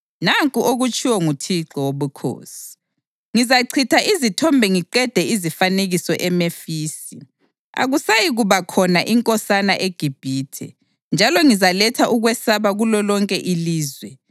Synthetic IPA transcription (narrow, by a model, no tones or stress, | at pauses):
naŋkʼuʔoɣut͡ʃʰʼiwɔŋutʰiǁɔwoβukʰo̰ːsi̥ | ŋizaǀʰitʰaʔizitʰɔmbʱɛŋiǃɛd̥ʱɛizifaneɣisɔʔɛmefiːsi | a̰ɣusajiɣuβakʰɔnaʔiŋkʼɔsanaʔeɡ̥ʱib̥ʱiːtʰɛ̰ | nd͡ʒʱalɔŋizalɛtʰaʔuɣwɛsaβaɣulɔlɔŋkʼɛʔiliːzwɛ